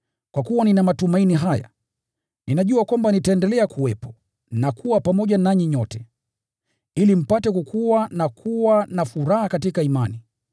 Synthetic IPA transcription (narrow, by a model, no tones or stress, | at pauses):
kwakuwaninamatumainiɦaja̰ | ninaʄuakwambanitaɛndɛlɛakuwɛpɔ̥ | nakʰuwapamɔʄanaɲiɲɔtɛ | ilim̩patɛkukʰuwanakʰuwanafuɾahakatikaimani